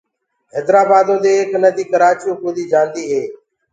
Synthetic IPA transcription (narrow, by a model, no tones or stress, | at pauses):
ɦɛːd̪ɾaːbaːd̪õːd̪eːeknəd̪iːkəɾaːt͡ʃjõːkoːd̪iːd͡ʒãːnd̪iːɦeː